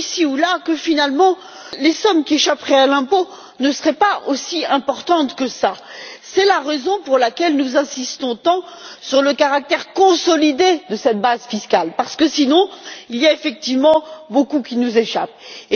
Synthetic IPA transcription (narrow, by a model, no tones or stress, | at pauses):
isiulakəfinalmɑ̃ | lesɔmkʲieʃapχɛalɛ̃po | nəsəʁɛpaosiɛ̃pɔʁt̪ɑ̃t̪kəsa | sɛlaʁezɔ̃puʁlakʲɛlnuzɛ̃sist̪ɔ̃t̪ɑ̃syʁləkaʁak̚t̪ɛʁkɔ̃sɔlid̪ed̪əsɛt̪̚bazfiskalpaʁsə̥kəsinɔ̃ilijaefɛk̚t̪ivmɑ̃bokukʲinuzeʃap